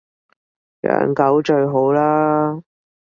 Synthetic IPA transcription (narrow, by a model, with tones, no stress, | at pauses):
jœ̰ː˨˥ŋkɐ˨˥wt͡ʃɵ˧ɥɦo˨˥wlaː˥